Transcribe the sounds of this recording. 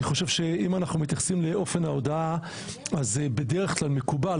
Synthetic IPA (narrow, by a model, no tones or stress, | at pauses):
iχo̞ʃe̞vʃe̞imanaχnumit̪jaχsimleʔo̞fe̞nao̞d̪aa | azebe̞deʁeχklalme̞kuba